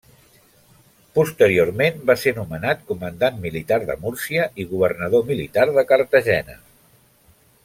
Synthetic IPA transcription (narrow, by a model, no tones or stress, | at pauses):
pust̪əɾiormenbasenumənat̪̚kumənd̪anmilit̪aɾðə̰muɾsiəʔiɣuβ̞ərnəðomilit̪arðəkəɾt̪əʒɛnə̰